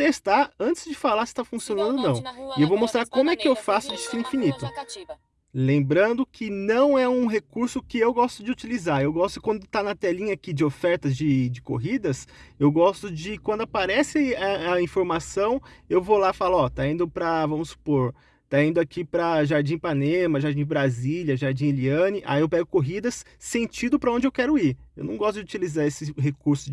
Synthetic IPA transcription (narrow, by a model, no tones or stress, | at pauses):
t̪est̪aɐ̃nt͡ʃɪzd͡ʒɪfalaɾsɪ̥t̪afũsionɐ̃nd̪ʊnɐ̃w̃ɪewvowmost̪ɾaɾkõmʊɛkɪewfasʊd͡ʒist̪ɪ̃ĩfinit̪ʊ | lẽmbɾɐ̃nd̪ʊkʰɪnɐ̃w̃ɛũɦekuɾsʊkɪewɡɔst̪ʊd͡ʒɪut͡ʃilizaewɡɔst̪ʊkwɐ̃nd̪ʊt̪anɐt̪ɛlĩɲɐakid͡ʒɪofɛɾt̪ɐzd͡ʒɪd͡ʒɪko̰ɦid̪ɐsewɡɔst̪ʊd͡ʒɪkwɐ̃nd̪ʊapaɾɛsɪɐɐĩfoɾmasɐ̃w̃ewvolafalʊɔt̪aĩnd̪ʊpɾɐvɐ̃mʊsːu̥poɾ | t̪aĩnd̪ʊakipɾɐʒaɾd͡ʒĩpanẽmɐʒaɾd͡ʒĩbɾaziljɐʒaɾd͡ʒĩeliɐ̃nɪʔa̰iewpɛɡʊkoɦid̪ɐsː | ẽt͡ʃĩd̪ʊpɾɐõnd͡ʒɪewkɛɾʊiɾewnɐ̃w̃ɡɔst̪ʊd͡ʒɪut͡ʃilizaesɪɦekuɾsʊ